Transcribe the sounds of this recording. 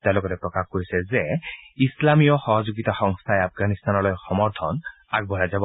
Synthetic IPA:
t̪alokɔɾepɾɔkaxkoɾisezeislamijɔxɔɦɔd͡ʒoɡit̪axɔŋst̪ʰaeap̚ʰɡanist̪anɔlɔjxɔmɔɾt̪ʰɔn | a̰ɡ̚bʱɔjad͡ʒab

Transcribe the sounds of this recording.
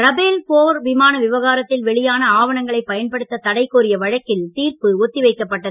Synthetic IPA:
ɾɐbeːlpoːɾʋɪmaːnɐʋɪʋɐɣaːɾɐt̪ːɪlʋɛɭɪjaːnɐaːʋɐɳɐŋɡɐɭɐɪpːɐjɐnpɐɽɯt̪ːɐt̪ɐɽɐɪkːoːɾɪjɐʋɐɻɐkːɪlt̪iːɾpɯɔt̪ːɪʋɐɪkːɐpːɐʈːɐðɯ

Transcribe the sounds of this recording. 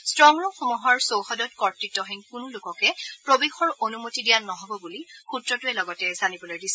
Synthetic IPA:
stɹɔŋɹɔxɔmuɦɔɹsowxɔdɔt̚kɔɹtɹitːɔɦɛŋkʊnulʊkɔkɛpɹobixɔɹonumotidijanɔɦɔbɔbulixutɹɔtʊɛlɔɡɔtɛzanibɔlojdisɛ

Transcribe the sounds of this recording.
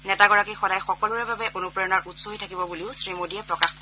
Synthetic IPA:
nɛtaɡɔɹakixɔdajxɔkɔlʊɹɛbabɛʔonupɹɔjɔnaɹʔutsoɦitʰakibɔbuliʊsɹimodijɛpɹɔkax

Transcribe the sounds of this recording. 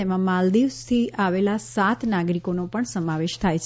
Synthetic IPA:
emãmald̪iʋst̪ʰiʔaʋelasat̪naɡɾikonopəɳsəmaʋeʃt̪ʰajt͡ʃʰ

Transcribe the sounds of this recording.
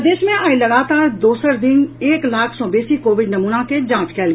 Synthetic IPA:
d̪eːʃmẽaːilɐɡaːt̪aːɾd̪oːsəɾd̪ɪ̃ŋɡeːklaːkʰsɔ̃ːbeːsikoːʋɪɖnɐmuːnaked͡ʒãːt͡ʃkɛːl

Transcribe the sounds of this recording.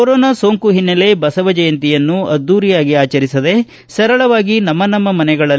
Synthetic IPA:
oɾɔːnasoːŋkuɦinːɐle̞bɐsɐʋɐd͡ʒɐjɐnt̪ijɐnːuɐd̪ːuːɾijaːɡiaːt͡ʃɐɾisɐd̪e̞ | sɐɾɐɭɐʋaːɡinɐmːɐnɐmːɐmɐnɛɡɐɭɐ

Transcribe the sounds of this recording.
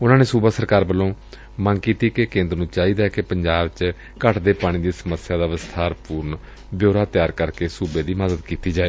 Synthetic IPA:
ʊnãːneːsuːbaːsəɾkaːɾbəlːõː | mənkiːt̪iːkekẽːnd̪ɾnũːt͡ʃaːiːd̪aːɛːkepəɲd͡ʒaːbt͡ʃ | kəʈʰd̪eːpaːɽ̃iːd̪iːsəməsɪjaːd̪aːʋəst̪ʰaːɾpuːɾn | bjoːɾaːt̪ɪjaːɾkəɾkeːsuːbeːd̪iːməzəd̪kiːt̪iːd͡ʒaːeː

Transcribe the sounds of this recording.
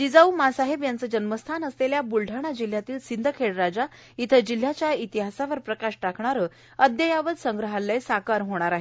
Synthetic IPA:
d̪id͡zaumasaɦebjant͡səd͡ʑənməst̪ʰanəsleljabulʈaɽ̃ad͡ʑil̤jat̪iːlsind̪ʱəkʰeɽɾad͡za | it̪ʰəd͡ʑil̤ːjat͡ɕjait̪iɦasaʋəɾpɾəkaɕʈakʰɳaɾə | əd̪jəjaʋəd̪səŋɡɾəɦalːesakaɾɦoɽ̃aɾaɦe

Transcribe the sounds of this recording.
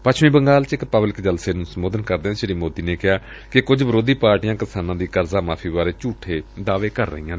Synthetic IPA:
pət͡ʃʰʋĩːbəŋɡaːlt͡ʃɪkpəblɪkd͡ʒəlseːnũːsəmoːd̪ənkəɾd̪eːãʃɪɾiːmoːd̪iːneːkɪɦaː | kɪkʊd͡ʒbəɾoːd̪iːpaːɾʈijãːkɪsaːnãːd̪iːkəɾzaːmaːpʰiːbaːɾeːt͡ʃuːʈʰːeːd̪aːʋeːkəɾːə̰ɦĩːãːneː

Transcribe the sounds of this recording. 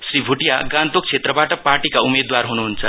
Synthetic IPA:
sribʱuʈijaɡãnt̪ok̚t͡sʰet̪rʌbaʈʌparʈikaumed̪warɦunuɦunt͡sʰʌ

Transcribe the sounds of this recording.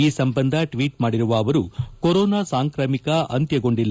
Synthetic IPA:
iːsɐmbɐnd̪ʱɐʈʋiːʈmaːɽiɾuʋɐːʋɐɾukoɾoːnaːsaːŋkɾɐmikɐʔɐnt̪jɐɡo̞ɳɖilː

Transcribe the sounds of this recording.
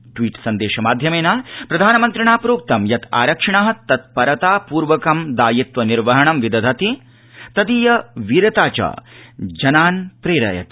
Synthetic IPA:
ʈʋiːʈsɐnd̪eːʃɐmaːd̪ʱjɐmeːnaːpɾɐd̪ʱaːnɐmɐnt̪ɾiɳaːpɾoːk̚t̪ɐmjɐt̪ʰa̰ːɾɐkʂɐɳaːɦɐt̪ɐt̪̚pɐɾɐt̪aːpuːɾʋɐkɐmd̪aːjit̪ʋɐniɾʋɐɦɐɳɐmʋid̪ɐd̪ʱɐt̪i | t̪ɐd̪iːjɐʋiɾɐt̪aːt͡ʃa̰ːd͡ʒɐnaːnpɾeːɾɐ̰jɐ̰t̪

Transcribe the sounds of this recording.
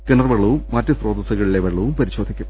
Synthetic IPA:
kɨnɐrʋɐɭːuːmmɐtːɨsroːd̪ɐsɐɣɐɭileʋɐɭːuːmpɐɾiɕo̞ːd̪ʱikʲːum

